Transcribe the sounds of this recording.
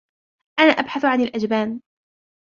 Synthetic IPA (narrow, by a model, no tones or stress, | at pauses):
ʔanaːʔabħaθʕanɪlʔad͡ʒbaːn